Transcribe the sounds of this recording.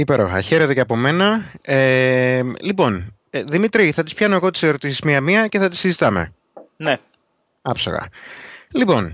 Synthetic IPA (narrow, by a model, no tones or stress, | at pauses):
ipeɾo̞xɐ̰çe̞ɾe̞t̪e̞ceɐpo̞me̞nɐe | lipo̞n | ðimit̪ɾiθɐt̪ispçɐno̞e̞ɣo̞t̪i̥seɾot̪isizmiɐmiɐce̞θɐt̪i̥sizit̪ɐme̞̰ | ne | ɐpso̰ɣɐ̰lipo̞n